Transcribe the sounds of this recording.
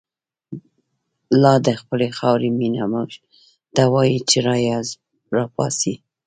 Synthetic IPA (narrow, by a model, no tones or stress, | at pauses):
lɑd̪əxpəlexɑwɾeminamuʒ | d̪̥ɑwɑjit͡ʃeɾɑjaz | ɾɑpɑ̰si